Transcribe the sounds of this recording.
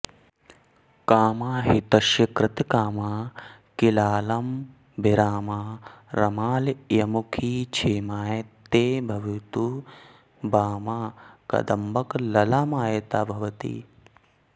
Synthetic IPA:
kaːmaːɦit̪ɐʃjɐkɾɪt̪kaːmaːkilaːlɐm | bʱiɾaːmaːɾɐmaːljɐmukʰiːt͡ʃʰeːmaːjt̪ːeːbʱɐʋit̪u | baːmaːkɐ̰d̪ɐmbɐklɐlaːmaːjɐt̪aːbʱɐʋɐt̪ḭː

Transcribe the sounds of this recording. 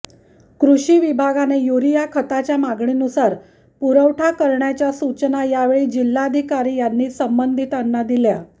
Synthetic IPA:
kɾuɕiːʋibʱaɡanejuɾijakʰət̪at͡ɕjamaɡɳinusaɾ | puɾəwʈʰakəɾɳjat͡ɕjasut͡ɕnajaʋeɭiːd͡ʑilːad̪ʱikaɾiːjanːiːsəmbənd̪ʱit̪anːad̪ilja

